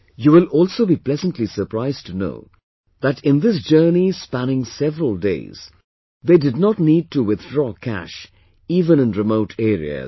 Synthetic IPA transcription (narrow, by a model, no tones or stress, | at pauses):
juwɪlɔːlˠsoʊbiplɛzə̃ntlisə˞pɾaɪztʰuno̰ʊ | ðætɪ̃nd̪ɪs̬d͡ʒɜːnispænɪ̃ŋsɛvɹəlˠdḛɪz̥ | ðeːdɨd̚ⁿnɔtniːd̚tuwɪθdɹɔːkʰæ̰ʃ | iːvə̃nɨ̃nɹɨmoʊʈʰeːɾḭə̰